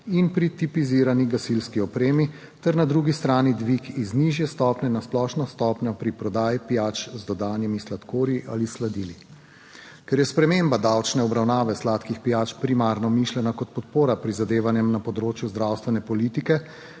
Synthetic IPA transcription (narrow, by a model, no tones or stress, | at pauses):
inpɾit̪ipiziɾaniɡasilskiɔpɾeːmi | t̪ɛɾnad̪ɾuɡist̪ɾaːnid̪ʋikizniʒjɛst̪ɔːpnɛnasplɔːʃnɔst̪ɔːpnjɔpɾipɾɔd̪aːjipijaːt͡ʃzd̪ɔd̪aːnimislat̪koːɾjiʔalislad̪ili | kɛɾjɛspɾɛmembad̪awt͡ʃnɛɔbɾawnaːʋɛslaːt̪kixpijaːt͡ʃpɾimaːɾnɔmiʃlɛnakɔt̪̚pɔt̪̚poːɾapɾizad̪eːʋanjɛmnapɔd̪ɾoːt͡ʃjuzd̪ɾawst̪ʋɛnɛpɔlit̪ikɛ